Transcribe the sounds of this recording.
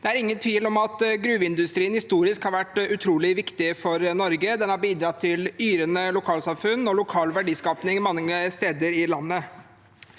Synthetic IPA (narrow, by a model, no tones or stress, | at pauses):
d̪ɛæɾɪŋːənt̪ʰʋiːlɔmɑt̪ɡɾʉːʋɪnd̪ʉst̪ɾiːənhɪst̪uːɾɪskhɑɾʋæʈːʉt̪ʰɾuːlɪʋɪkt̪ɪfɔɾnɔɾɡəd̪ɛnhɑɾbiːd̪ɾɑt̪ʰːɪlyːɾənəlʊkʰɑːlsɑmfʉnːɔlʊkʰɑːlʋæɖiːskɑːpnɪŋmɑŋːəst̪eːd̪əɾɪlɑnːə